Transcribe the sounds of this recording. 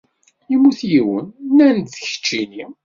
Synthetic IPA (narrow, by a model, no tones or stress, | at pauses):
imːuθjiwə̰nnænt̪θəçə̥t͡ʃːini